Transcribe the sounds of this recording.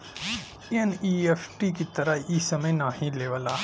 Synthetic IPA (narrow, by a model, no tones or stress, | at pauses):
eniːepʰʈikit̪ɐɾɐiːsɐmɐjnaːɦĩleːʋɐla